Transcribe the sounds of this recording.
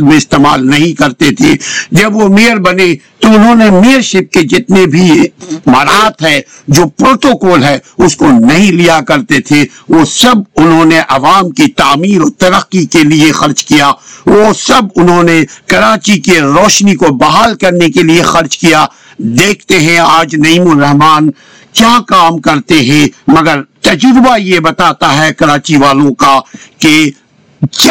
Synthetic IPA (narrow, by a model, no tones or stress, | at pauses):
d̪mẽɪst̪eːma̰ːlnɐɦĩkɐɾt̪et̪ʰeːd͡ʒɐbʋomejəɾbɐne | t̪oʊnɦõnemijəɾʃɪp̚ked͡ʒɪt̪nebʱimɐɾaːt̪ɦɛ | d͡ʒoːpɾoːʈoːkɔːlɦɛʊskonɐɦĩlijakɐɾt̪et̪ʰeʋosɐb̚ʊnɦõːneʔɐʋaːmkit̪aːmiːɾɔːɾt̪ɐɾəqːikeliexɐɾd͡ʒkijaːʋosɐbʊnɦõnekɐɾaːt͡ʃikeɾɔːʃnikobɐɦaːlkɐɾnekeliexɐɾd͡ʒkija | d̪eːkʰt̪eɦɛ̃aːd͡ʒnɐimʊɾɐɦmaːn | kjaːkaːmkɐɾt̪eɦɛ̃mɐɡəɾt̪ɐd͡ʒɾɪbajebɐt̪aːt̪aɦɛkɐɾaːt͡ʃiʋaːlõkake | k